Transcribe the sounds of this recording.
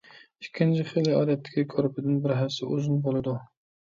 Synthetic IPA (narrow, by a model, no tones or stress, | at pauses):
ikʲʰːɪnt͡ʃʰiχɨlːɨɑːd̪ɛt̪ʰːɪ̥kʲikʰoɾpʰɪd̪ɪnbɪɾɦæfsɪ̰ʔozɪnbolˠɨd̪u